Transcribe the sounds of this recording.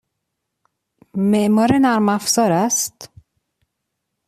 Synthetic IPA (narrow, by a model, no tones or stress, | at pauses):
meʔmɒːɾenæɾmæfzɒːɾæst̪